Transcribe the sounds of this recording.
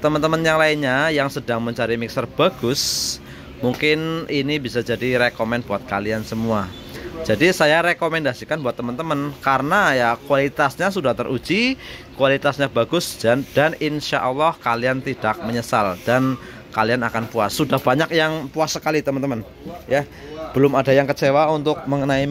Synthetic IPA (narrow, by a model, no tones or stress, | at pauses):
t̪əmənt̪əmənjaŋlaɪnɲajaŋsədaŋməɲt͡ʃaɾimɪksərb̥aɡʊs | muŋkɪninibisad͡ʒadiɾekomɛnb̥uat̪̚kaliansəmua | d͡ʒadisajaɾekomɛndasikanbuat̪ːəmənt̪əmənkaɾənajakuwalit̪asɲas̬udaht̪ərʔud͡ʒikwalit̪asɲabaɡʊsad̥aninʃa̰ʔɔlːɔhkaliant̪id̥ak̚məɲəsald̥an | kalianakanpuasːudahb̥aɲak̚jaŋpuasəkalit̪əmənt̪əmən | ja | b̥əlʊmadajaŋkət͡ʃewaunt̪ʊk̚məŋənai